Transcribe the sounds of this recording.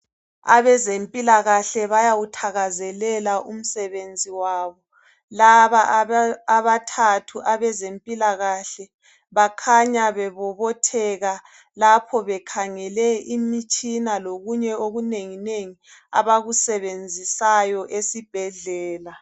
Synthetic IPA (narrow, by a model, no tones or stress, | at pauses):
a̰βɛzempʼilaɣaɬɛβajawutʰaɣazɛlɛlaʔum̩sɛβend͡zʱiwaːβɔ | laβaː | βatʰatʰuʔaβɛzempʼilaɣaɬɛ | βakʰaɲaβɛβɔβɔtʰɛɣa | lapʰɔβɛkʰaŋɛlɛimit͡ʃʼinaloɣuɲɛoɣuneŋineŋia̰βaɣusɛβend͡zʱisajɔʔesib̥ʱɛɮɛːla